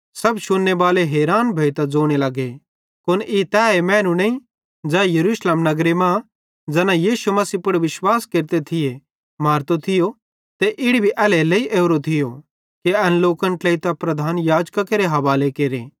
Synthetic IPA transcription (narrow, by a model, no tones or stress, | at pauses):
sɐbʃʊnːeʋaːleɦeːɾaːnbʱɐit̪ɐd͡zoːɽ̃elɐɡe | kʊnʔit̪ɛːemɛ̃ːnunẽĩ | d͡zɛːjɐɾuːʃleːmnɐɡɾemã | d͡zɛːnãjiːʃumɐsiːpʊɽʋɪʃwaːskeːɾt̪et̪ʰɪje | maːɾt̪ot̪ʰɪjo | t̪eʔɪɽibʱiʔɛːleleiʔeːɾot̪ʰɪjo | kiɐnloːkə̃ɳʈleit̪ɐpɾɐd̪ʱaːnjaːd͡ʒkakeɾeɦɐʋaːlekeːɾeː